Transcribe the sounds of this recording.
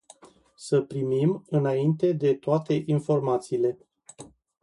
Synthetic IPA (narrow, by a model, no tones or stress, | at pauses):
səpɾimimɨnaint̪e̞d̪e̞t̪oat̪e̞ʔinfo̞rmat̪siːle̞